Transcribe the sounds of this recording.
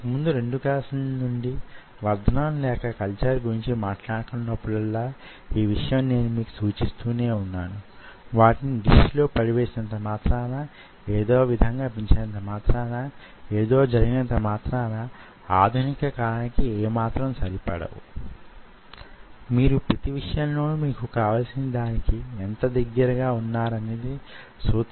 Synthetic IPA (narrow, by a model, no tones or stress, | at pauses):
ɐkɐmund̪uɾe̞ɳɖukaːsɐnnuɳɖi | ʋɐɾd̪ʱɐnaːnlɛːkɐkɐlt͡ʃɐɾɡuɾiɲt͡ʃimaːʈlaːɽɐkunːɐpːuɽɐlːaː | iːʋiʂɐjɐmne̞ːnumiːku̥suːt͡ʃist̪uːne̞ːunːaːnuʋaːʈiniɡiʃlo̞ːpɐɽiʋe̞ːsinɐnt̪ɐmaːt̪ɾɐɐnɐ | eːd̪o̞ːʋid̪ʱɐŋɡaːpiɲt͡ʃɐɽɐnt̪ɐmaːt̪ɾɐnɐ | eːd̪o̞ːd͡ʒɐɾiɡinɐnt̪̬ɐmaːt̪ɾɐɐnɐ | aːd̪ʱunikɐkaːlɐnikieːmaːt̪ɾɐmsɐɾipɐ̰ɽɐ̰wṵ | miːɾupɾɐt̪iʋiʂɐjaːmloːmiːkukaːʋaːlsinɐd̪aːnikiɛnt̪ɐd̪ɐɡːɐɾɐɡaːunːaːɾɐneːd̪i | suːt̪